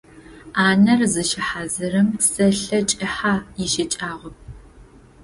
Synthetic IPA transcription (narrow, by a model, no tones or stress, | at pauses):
aːnɐrzɨʃɪħaːzɨɾɨmsɐɬɐt͡ʃʼɐħaːjɪʃɪt͡ʃʼaːʁʷɔp̚ʰ